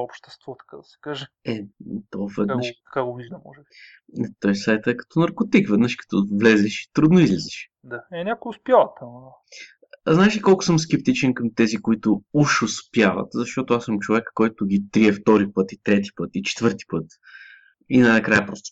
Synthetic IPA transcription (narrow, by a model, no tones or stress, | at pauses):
ɔpʃt̪ɛ̥st̪vɔt̪ɐ̥kad̪ɐsɛ̥kaʒɛɛt̪ovɛd̪nəʃt̪ɐ̥kaɡoviʒd̪ɐmɔ̰ʒɛbi | t̪ɔjsajt̪əɛkɐ̥t̪ɔnɐɾkot̪ikvɛd̪nəʃkɐ̥t̪ɔvlɛzɛʃi̥t̪ɾud̪noizlɛzɛʃ | d̪aɛnʲakʊjʊspjavɐt̪ɐmd̪a | znaɛʃikolˠkʊ̥sɤmsk̟ɛp̚t̪it͡ʃɛnkɐmt̪ɛzikoit̪ʊuʃʊspjavə̰t̪zɐʃt̪ot̪oasɤmt͡ʃovɛkːɔjt̪ʊɡit̪ɾiɛft̪ɔɾipɤt̪it̪ɾɛt̪i̥pɤt̪it͡ʃɛ̥t̪vɤɾt̪i̥pɤt̪ | inɐnɐkɾajəpɾɔst̪ʊ̥